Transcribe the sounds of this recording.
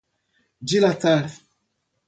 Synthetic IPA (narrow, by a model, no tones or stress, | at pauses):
d͡ʒilataɾ